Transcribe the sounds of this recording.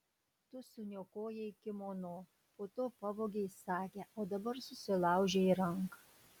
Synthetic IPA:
t̪ʊsʊnʲoːkoːjɛɪkʲɪmoːnoː | poːt̪oːpɑboːɡʲɛɪsɑːkʲeoːd̪ɐbɐɾsʊsʲɪlˠɑˑʊʒʲeiːɾɐŋkɐ

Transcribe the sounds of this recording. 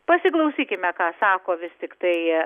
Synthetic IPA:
pɐsʲɪklˠɐʊsʲiːkʲɪmʲɛkɑːsɑːkoːʋʲɪst̪ʲɪkt̪ɐɪ

